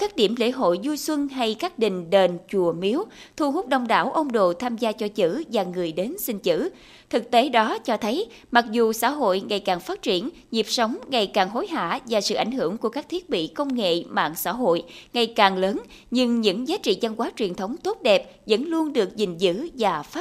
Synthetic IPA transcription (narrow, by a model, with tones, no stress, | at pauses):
kaː˦˥k̚ɗi˧˩əmlḛ˧˥ɦo̰˧˨jzu˧jswə˧nɦa˧jkaː˦˥k̚ɗï˨˩ŋ̟ɗe˨˩nt͡ɕu˨˩əmi˨˦əwt̪ʰu˧˩hʊ˦˥k͡p̚ɗə˧˩wŋ͡mɗa̰ː˧˩wʔə˧wŋ͡mɗo̰˧˨t̪ʰaː˧mzaː˧t͡ɕɔ˧t͡ɕɨ̰˧˥vaː˨˩ŋɨ˨˩əjɗe˨˦nsï˧ŋ̟t͡ɕɨ̰˧˥ | t̪ʰɨ˨˩k̚t̪e˨˦ɗɔ˨˦t͡ɕɔ˧t̪ʰə˨˦j | ma˨˩k̚zu˨˩sa̰ː˧˥ɦo̰˧˨jŋa˨˩jkaː˨˩ŋfaː˦˥t̚t͡ɕi˧˩ən | ɲi˨˩əp̚sə˨˦wŋ͡mŋa˨˩jkaː˨˩ŋɦo˨˦jɦa̰ː˧˨vaː˨˩sɨ̰˧˨ʔa˧˩jŋ̟hɨ˧˩əŋku˧˩əkaː˦˥k̚t̪ʰi˦˥ət̚ɓḭ˧˨kə˧wŋ͡mŋḛ˧˨ma̰ː˧˨nsa̰ː˧˥ɦo̰˧˨jŋa˨˩jkaː˨˩ŋləː˨˦n | ɲɨ˧ŋɲɨ̰˧˥ŋzaː˨˦t͡ɕḭ˧˨t͡ɕa˧nkwaː˨˦t͡ɕwi˨˩ənt̪ʰə˨˦wŋ͡mt̪o˦˥t̚ɗɛ˨˩p̚ | zə̰˧˥nlu˧ənɗɨ˨˩ək̚zï˨˩ŋ̟zɨ̰˧˥vaː˨˩faː˦˥